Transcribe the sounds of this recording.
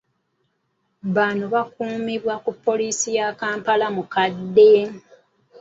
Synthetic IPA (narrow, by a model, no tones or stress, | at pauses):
βanoβakuːmiβwakupːo̞liːsijakaːmpalamukadːe